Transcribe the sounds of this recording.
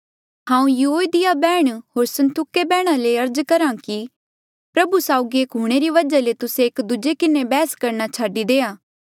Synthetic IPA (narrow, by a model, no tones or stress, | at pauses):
hãːũjoːid̪ɪjabɛːɽ̃ɦoːɾsə̃nt̪ʰʊkːebɛːɽ̃aleɐɾd͡ʒkɐɾãːki | pɾɐbusaːʊɡiekɦuːɽ̃eɾiʋɐd͡ʒalet̪ʊsẽːkd̪ud͡ʒekɪnebɛːskɐɾnat͡ʃʰaːɖid̪eːaː